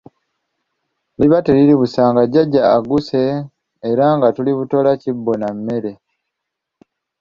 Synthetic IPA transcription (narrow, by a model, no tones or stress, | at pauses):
liβateliɾiβusaːŋɡaɟaɟːaːɡuse̞ː | ɾaŋɡatuliβuto̞lacibːo̞namːe̞ɾe̞